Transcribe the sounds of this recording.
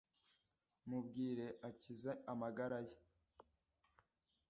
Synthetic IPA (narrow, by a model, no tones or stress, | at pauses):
mubɡiːɾe̞ʔacizeamaɡaɾaje